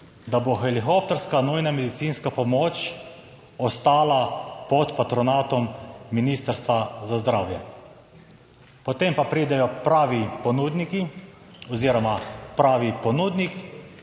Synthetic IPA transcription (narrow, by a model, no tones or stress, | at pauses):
d̪aboxɛlixop̚t̪ɛɾskanujnamɛd̪it̪siːnskapɔmoːt͡ʃ | ɔst̪aːlapɔt̪pat̪ɾɔnaːt̪ɔmːiniːst̪əɾst̪ʋazazd̪ɾaːwjɛ̰ | pɔt̪empapɾiːd̪ɛjɔpɾaːʋipɔnuːd̪niki | ɔziːɾɔmapɾaːʋipɔnuːd̪nik